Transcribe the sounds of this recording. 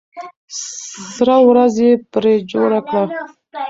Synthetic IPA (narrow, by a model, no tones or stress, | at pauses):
ɾawɾazjepɾed͡ʒoɽakɽa